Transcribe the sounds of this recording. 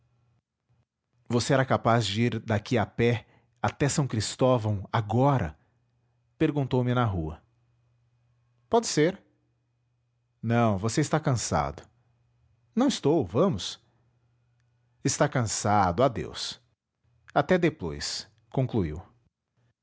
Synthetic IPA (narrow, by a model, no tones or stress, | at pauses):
voseɛɾɐkapazd͡ʒɪiɾd̪akʰiapɛ | at̪ɛsɐ̃w̃kɾist̪ɔvɐ̃w̃aɡɔɾɐ̰ | peɾɡũnt̪owmɪnɐɦuɐ̰ | pɔd͡ʒɪseɾ | nɐ̃w̃voseɪst̪akɐ̃sa̰d̪ʊ | nɐ̃w̃ɪst̪owvɐ̃mʊs | ɪst̪akɐ̃sad̪ʊad̪ḛws | at̪ɛd̪epo̰js | kõŋkluḭw